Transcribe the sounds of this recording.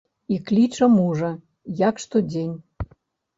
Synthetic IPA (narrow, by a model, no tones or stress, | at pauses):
iklʲit͡ʂəmuʐə̆ | jakʂt̪od͡zʲenʲ